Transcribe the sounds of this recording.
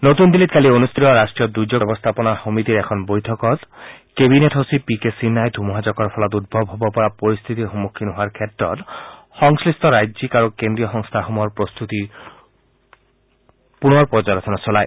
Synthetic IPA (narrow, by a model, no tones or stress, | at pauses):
not̪und̪ilit̪kalionust̪ʰitɔɹasʈɹijɔd̪ud͡ʒɔbɔst̪ʰapɔnaxomit̪iɾɛkʰɔnbojtʰɔkɔt̪kebineʈʰɦosipikesinːajd̪ʱumɔɦad͡ʑɔkɔɹpʰɔlɔt̪ud̪̚bʱɔbʱɦɔbɔpɔɹapoɹist̪ʰit̪ixomukʰːinɦoaɹkʰɛtɹɔ̰t̪ | xɔŋslist̪ʰɔɾajzikaɹukend̪ɹijɔxɔŋst̪ʰaxɔmɔɔɹpɹost̪ut̪i | punɔɹpɔd͡ʒaɾt̪ʰɔnɔsɔlaj